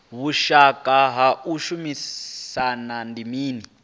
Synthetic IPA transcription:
βuʃakʼaɦauʃumissanandimiːni

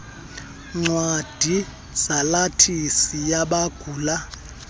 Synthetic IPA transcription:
ŋ͡ǀwad̥ʱi | z̥alatʰisijaɓaɡ̥ʱuːla

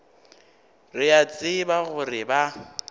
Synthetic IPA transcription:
rɪat͡sʼɪbaɣʊrɪba

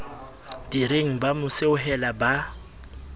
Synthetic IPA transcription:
d̥iɾeŋ̩bamʊseʊɦɛlaba

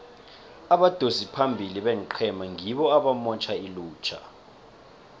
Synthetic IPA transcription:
aɓad̥ʱozipʰambʱiliɓɛŋǃʰɛmaŋiɓɔaɓamɔt͡ʃʰailuːt͡ʃʰa̰

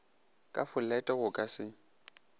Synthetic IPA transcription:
kʼafʊl̩lɛtʼɛɣʊkʼasɪ

